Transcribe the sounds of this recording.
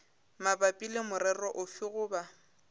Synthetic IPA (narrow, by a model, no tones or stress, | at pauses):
mabapʼilɪmʊrɛrɔʔʊfɪɣʊːba